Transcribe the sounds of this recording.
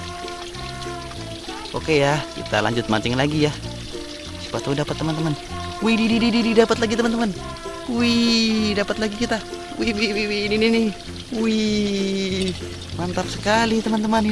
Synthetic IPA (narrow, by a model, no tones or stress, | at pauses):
o̰kejakḭt̪a̰la̰ɲd͡ʒut̪̚maɲt͡ʃɛŋlaɡija | si̥pat̪audapat̪ːəmant̪əman | wididididididapat̪̚laɡit̪əmant̪əman | widapat̪̚laɡikit̪a | wiwiwiwininini | wi | mant̪ap̚səkalit̪əmant̪əman